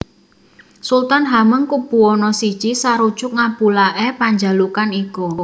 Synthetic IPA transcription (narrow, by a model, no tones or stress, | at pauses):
sult̪anɦaməŋkub̥ṳɔnɔsid̥ʒ̥isaɾud̥ʒ̥ʊk̚ŋab̥ulaʔɛpaɲd͡ʒa̤lukaniku